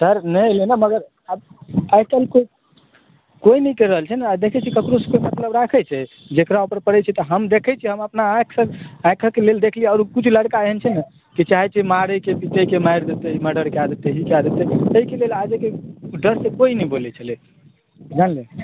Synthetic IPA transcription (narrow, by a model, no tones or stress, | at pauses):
səɾnəjlenəməɡəɾ | əbajkəlko | koinəik̪eɾəɦəlt͡ʃʰɛnad̪ekʰɛt͡ʃʰikəkɾoskoimət̪ləbɾakʰɛt͡ʃʰɛ | d͡ʒekɾaupəɾpəɽɛt͡ʃʰɛt̪ɔɦəmd̪ekʰɛt͡ʃʰiɦəməpnaaksəɡãkʰəkeleld̪ekʰliəɾukut͡ʃʰuləɽkaɦənt͡ʃʰɛnə | kit͡ʃaɦɛt͡ʃʰimaɾəjkepit̪əjkemajɾd̪et̪eiməɖəɾkead̪et̪eɦikead̪et̪eəikelelad͡ʒəkeɖəɾsekoinɛibolɛt͡ʃʰəlɛ | d͡ʒanle